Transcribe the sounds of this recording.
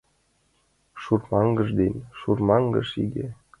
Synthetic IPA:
ʃurmɑŋɡɤ̆ʐd̪enʲʃurmɑŋɡə̰̆ʃiɡe

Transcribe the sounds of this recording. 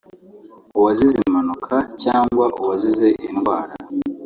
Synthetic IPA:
uwazizimanukʰacaːŋɡwaʔuwazize̞ʔinɡwaːɾa

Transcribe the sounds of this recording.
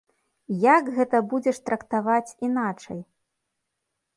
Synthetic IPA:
jakɣɛt̪ɐbud͡zʲɛʂt̪ɾɐkt̪avat͡sʲinat͡ʂɐj

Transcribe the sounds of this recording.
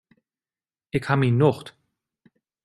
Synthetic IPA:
ʔɪkhaːbəinːʊχt

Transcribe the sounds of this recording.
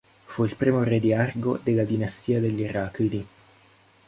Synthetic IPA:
fuilpɾiːmored̪iarɡod̪elad̪inast̪iːad̪eʎːiraːkid̪i

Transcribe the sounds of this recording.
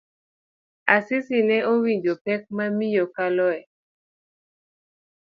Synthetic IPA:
asɪsinɛowiɲd͡ʒopɛk̚mamijokalɔɛ

